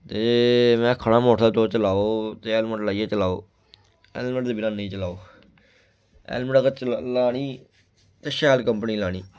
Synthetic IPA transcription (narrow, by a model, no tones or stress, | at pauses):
t̪eːmɛ̃ːəkʰːəɽãːmoːʈʰaːt̪oːt͡ʃəlaːoːt̪eːɛːlmə̃ʈlaːijeːt͡ʃəlaːo̰ː | ɛ̰ːlməʈd̪eːbɪnãːnĩːt͡ʃəlaːoː | ɛ̰ːlmɖɡət͡ʃlaːɽiː | t̪eʃɛːlkəmpniːlaːɽ̃iː